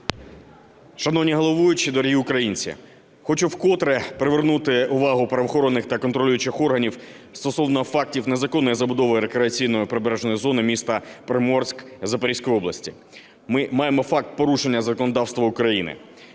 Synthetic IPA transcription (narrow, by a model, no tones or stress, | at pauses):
ʃɐnɔwnʲiɦɔlˠɔʋujʊt͡ʃid̪ɔɾʲɦiʊkɾɐjinʲt͡sʲḭ | xɔt͡ʃʊwkɔt̪ɾɛpɾeʋernut̪ɪʊʋɑɦʊpɾɐʋɔxɔɾɔnːɪxt̪ɐkɔnt̪ɾɔlʲujʊt͡ʃɪxɔrɦɐnʲiw | st̪ɔsɔwnɔfɑk̚tʲiwne̞zɐkɔnːɔjizɐbʊd̪ɔʋɔjɾekɾeɐt͡sʲijnɔjʊpɾebɾɛʒnɔjizɔnɪmʲist̪ɐpɾɪmɔrsʲkzɐpɐɾisʲkɔjɔblˠɐ̰sʲtʲi | mɪmɑjemɔfɑk̚t̪̚pɔɾuʃenʲːɐzɐkɔnɔd̪ɑwst̪ʋɐʊkɾɐjinɪ̰